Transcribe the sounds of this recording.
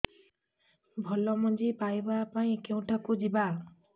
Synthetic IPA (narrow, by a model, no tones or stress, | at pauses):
bʱɔlːɔmod͡ʑipajbapaj̃kew̃ʈʰakud͡ʑiba